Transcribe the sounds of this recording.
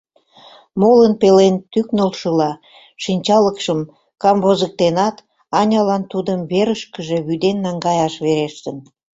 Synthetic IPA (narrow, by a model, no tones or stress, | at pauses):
molənpelent̪yknolʃəlɑ | ʃinʲt͡ɕɑləkʃəm | kɑmβozək̚t̪enɑt̪ | ɑnʲɑlɑnt̪ud̪əmβeɾəʃkəʒe̽βyd̪enːɑŋɡɑjɑʃβeɾeʃt̪ən